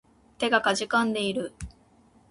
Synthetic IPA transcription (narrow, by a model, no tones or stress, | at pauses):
t̪e̞ɡakaʑikãnd̪e̞iɾɯ̟